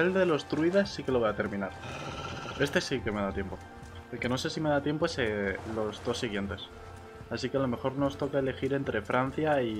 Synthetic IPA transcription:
elðe̞lo̞st̪ɾuiðasːike̞lo̞βo̞jat̪e̞ɾmĩnaɾ | e̞st̪esike̞me̞ðat̪je̞mpo̞ | elke̞no̞se̞sime̞ð̞at̪je̞mpoeselo̞zðo̞sːiɣ̞je̞nt̪e̞s | asikealo̞me̞xo̞ɾno̞st̪o̞kae̞le̞xiɾe̞nt̪ɾʔe̞fɾʔan̟θjai

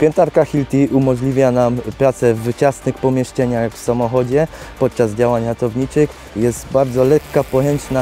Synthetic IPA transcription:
pʲjɛnt̪aɾkaxʲilt̪ʲiʔumɔʐlʲivʲjanampɾat̪sɛvːɘt͡ɕasnɘxpɔmʲjɛʂt͡ʂɛɲaxxfsamɔxɔd͡ʑɛpɔt̪̚t͡ʂazd͡ʑawaɲɾat̪ɔvɲit͡ʂɘx | jɛst̪baɾd̪zɔlɛkːapɔjɛnt͡ʂna

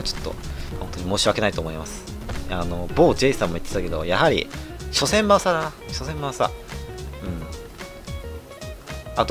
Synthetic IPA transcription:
t͡ɕo̥t̪ːo̞̰hõ̞nt̪oɲ̟imo̞ːɕiβake̞nait̪o̞ːmo̞imasɨ̥ | ano̞bo̞ːd͡ʑeisɨãmːoit̪ːet̪ːake̞d̪o̞̰jahaɾʲḭɕo̞sẽ̞mbãɰ̃sad̪ana | ɕo̞sẽ̞mbãsa̰ | ɯ̟̃ɴ | at̪

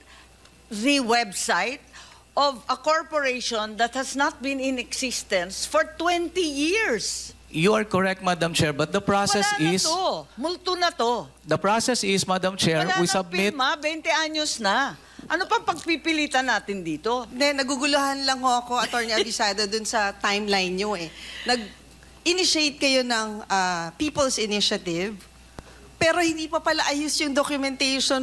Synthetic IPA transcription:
ðiwɛbsajt̪̚ | ʔɔvɐkoɹpoɹejʃɔnd̪ɐt̪̚hɐsnɐt̪̚bɪ̃nɪ̃nɛksɪst̪ɐ̃nsfɔɹt̪wɛ̃nt̪ijiɹs | juɐɹkɔɹɛk̚t̪̚mad̪ɐmt͡ʃɛɹbɐt̪̚d̪ɐpɹawsɛsɪst̪omʊlt̪onɐt̪o̞ | d̪ɐpɹasɛsɪsmad̪ɐmt͡ʃɛɹawisɐb̚pmɪmabɛnt̪ɛʔaɲosnɐ | ʔɐnopɐŋpɐɡ̚pipɪliːt̪ɐnaːt̪ɪnd̪iːt̪ond̪ɛnɐɡuɡʊlʊhanlɐŋhoʔɐko̞ʔɐt̪oɹniɐd̪ɪsad̪ɐd̪ʊnsɐt̪ajmlajnɲoʔɛnɐɡ̚ | ʔɪnɪʃejt̪̚kɐjo̞nɐŋʔapiːpɐlsɪnɪʃɐt̪ɪv | pɛːɾo̞hɪ̃nd̪iːpɐpɐlaʔɐjʊsjʊŋd̪okjʊmɛnt̪ɛjʃon

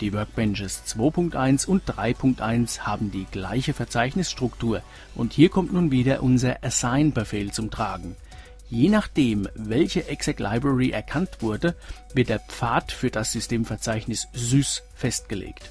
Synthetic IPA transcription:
d̥iːvœɐk̚b̥ɛnʃəst͡sv̥oːpʰʊŋk̚tʔaɪnsʊnt̚d̥ʁaɪpʰʊŋk̚tʔaɪnshaːbm̩diːɡ̥la̰ɪçəfɛɐt͡saɪçnɪsʃtʁ̥ʊktʰuːɐ | ʔʊnthiːɐkʰɔmtnuːnviːdɐʔʊnzɐʔasaɪnbɛfeːlt͡sʊmtʁ̥aːɡŋ̩ | jeːnaχd̥eːmvɛlçəʔɛksɛkla̰ɪbʁɛʁiʔɛ̰ɐkʰantv̥ʊɐdəvɪɐt̚d̥eːɐp͡faɐtfyːɐd̥asz̥ʏstʰeːmfɛɐt͡saɪçnɪszyːs | fɛstɡ̥əlḛːkt

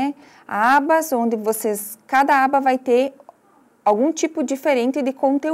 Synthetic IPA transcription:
ɛ | abɐzõnd̪ɪvoseskad̪ɐabɐvajt̪eɾ | awɡũt͡ʃipʊd͡ʒifeɾẽnt̪ɪd̪ɪkõnt̪e

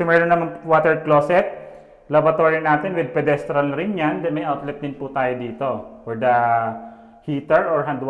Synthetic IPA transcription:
sʊmɛɾonːɐmɐnwaːt̪ɛɹd̪̚kloːsɛt̪̚ | lɐbɾɐt̪oːɹinaːt̪ɪnwɪd̪̚pɛd̪ɛst̪ɾɐlɾɪnɲand̪ɐjmɐjʔawt̪lɛp̚d̪ɪnput̪aːjod̪iːt̪ofɔɹd̪ɐ | hiːt̪ɛɹʔɔɹɦɐnd̪w

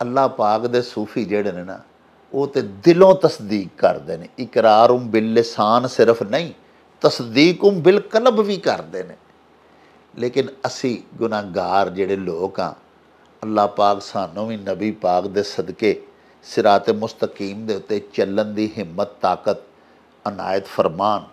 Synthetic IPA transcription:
əlːaːpaːkd̪eːsuːpʰiːd͡ʒeːɽeːneːna̰ː | oːt̪eːd̪ɪlõːt̪əsd̪iːkːə̰ɾd̪eːneːɪkɾaːɾʊmbɪlːɪsaːnsɪɾəpʰnəĩː | t̪əsd̪iːkʊmbɪlkələbʋiːkəɾd̪eːnḛː | leːkɪnəsĩːɡʊnãːɡaːɾd͡ʒeːɽeːloːkã̰ː | əlːaːpaːksaːnõːʋiːnəbiːpaːkd̪eːsəd̪keː | sɪɾaːt̪eːmʊst̪əkiːmd̪eːʊt̪ːeːt͡ʃələnd̪iːɦɪmːət̪ːaːkət̪̚ | əna̰ːjət̪fʰəɾmaːn

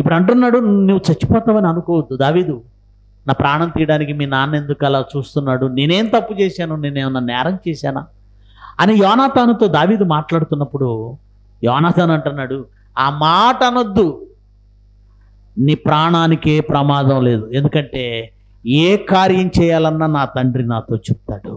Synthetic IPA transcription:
ipːuɽɐɳʈunːaːɽunuwut͡ʃɐt͡ʃːi̥pɔːt̪aːʋɐniɐnukɔːwɐd̪ːud̪aːʋiːd̪u | naːpɾaːɳɐmt̪iːjɐɽaːnikimiːnaːnːe̞nd̪ukɐlaːt͡ʃuːst̪unːaːɽune̞ːne̞ːnt̪ɐpːut͡ʃɛːʃaːnuneːneːunːanɛːɾɐmt͡ʃɛːʃaːnaː | ɐnijɔːnaːt̪ʰaːnɐt̪o̞ːd̪aːʋiːd̪umaːʈlaːɽut̪unːɐpːuɽu | jɔːnaːt̪ʰaːnɐɳʈunːaːɽu | aːmaːʈɐnɐd̪ːu | niːpɾaːɳaːnikeːpɾɐmaːd̪ɐmle̞ːd̪ue̞nd̪ukɐɳʈe̞ː | eːkaːɾjɐmt͡ʃɛːjaːlɐnːaːnaːt̪ɐɳɖɾinaːt̪o̞ːt͡ʃep̚t̪aːɽu

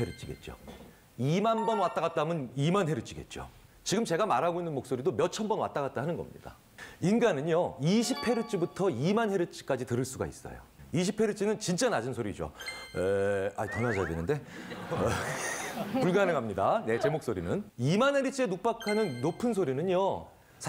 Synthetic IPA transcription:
eɾut͡ɕ͈ʰiɡe̞̰t̚t͡ɕ͈o̰ | imanbʌnwat͈aɡat̚t͈amɯnimanɦeɾut͡ɕ͈ʰiɡe̞̰t̚t͡ɕ͈o̰ | t͡ɕiɡɯmt͡ɕe̞ɡamaɾɦaɡoinːɯnmok̚s͈oɾidomjʌt͡ɕʰʌnbʌnwa̰t͈aɣat̚t͈aɦanɯnɡʌ̰mɲḭd̥a̰ | inɡanɯɲjoiɕʰipʰe̞ɾɯt͡ɕ͈ʰibutʰʌimanɦe̞ɾɯt͡ɕ͈ʰi̥k͈ad͡ʑitɯɾɯɭs͈uɡa̰ḭs͈ʌ̰jo̰ | iɕ̬ʰipʰe̞ɾɯt͡ɕ͈ʰinɯnt͡ɕint͡ɕ͈anad͡ʑɯnsʰoɾid͡ʑo̰ea̰tʌnad͡ʑadenɯnde̞ | puɭɡanɯŋɦamɲidane̞t͡ɕe̞mok̚s͈oɾinɯnimanɦe̞ɾɯt͡ɕ͈ʰienuk̚p͈akʰanɯnːopʰɯnsʰoɾinɯɲo | sʰ

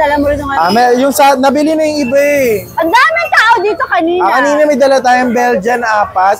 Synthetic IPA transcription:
ɐlamɾʊŋaamɐjʊŋsɐnɐbɪlɪnɐjʊŋɪbaɛɐŋd̪aːmɪŋt̪aːʔod̪iːt̪okɐniːnɐkɐniːnɐmɐjd̪ɐlɐt̪aːjoɐŋbɛld͡ʒɐnʔaːpɐt̪̚

